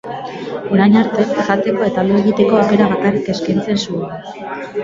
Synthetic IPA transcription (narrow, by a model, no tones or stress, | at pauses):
o̞ɾajɲaɾt̪e̞ʝat̪e̞ko̞e̞t̪aloe̞ɣit̪e̞ko̞awke̞ɾaβakarike̞skajnt͡se̞nsuela